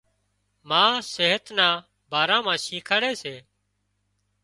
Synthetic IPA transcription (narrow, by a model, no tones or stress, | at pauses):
mãːseːɦət̪nãː | bʱaːɾãːmãːʃiːkʰəɽeːseː